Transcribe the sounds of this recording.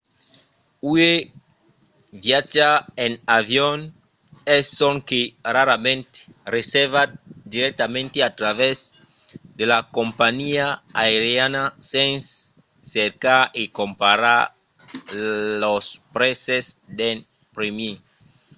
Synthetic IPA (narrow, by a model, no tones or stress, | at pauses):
ue | βjat͡ʃaenaβjon | essoŋkeraɾamẽnt̪e̥reseɾβad̪iɾek̚t̪amẽnt̪eat̪ɾaβez | d̪elakompaɲiaaeɾjanasen | seɾkaɾikompaɾaɾ | lospɾesesd̪en | pɾemji